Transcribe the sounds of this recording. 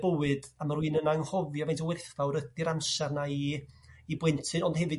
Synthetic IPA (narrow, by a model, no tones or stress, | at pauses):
bəwɨdamaɾwɨːnənaŋhɔvjɔvejntʰəwɪrθvawɾəd̥iɾamʃarnaiː | bwɛntʰɨnɔndhɛvɨ